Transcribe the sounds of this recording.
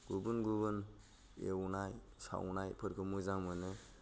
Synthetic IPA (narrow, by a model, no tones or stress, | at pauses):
ɡ̥ubunɡubɯn | ḛwnaj | sa̰wnajpʰɯɾkʰɯmujzaŋmɯne